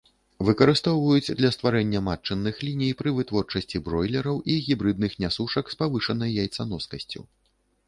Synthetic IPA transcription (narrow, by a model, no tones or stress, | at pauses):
vɨkɐɾɨst̪ɔwvɐjud͡zʲd̪lʲɐst̪vaɾɛnʲːɐmat͡ʂɨnːɨxlʲinʲijpɾɨvɨt̪vɔrt͡ʂɐsʲt͡sʲibɾɔjlʲɛɾɐwʔiɣʲibɾɨd̪̚nɨxnʲasuʂɐkspavɨʂɐnɐjːajt̪sɐn̪ɔskɐsʲt͡sʲṵ